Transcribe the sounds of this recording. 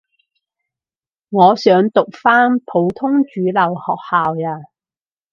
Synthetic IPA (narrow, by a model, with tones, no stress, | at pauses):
ŋɔː˨˧sœː˨˧ŋt̪ʊ˨k̚faː˥npʰo˨˧˥wt̪ʰʊ˥ŋt͡ʃyː˨˧lɐ˨˩whɔː˨k̚haː˨waː˧˩